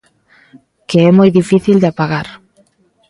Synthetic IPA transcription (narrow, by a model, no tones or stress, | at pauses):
keɛmɔjðifiθild̪eapaɣaɾ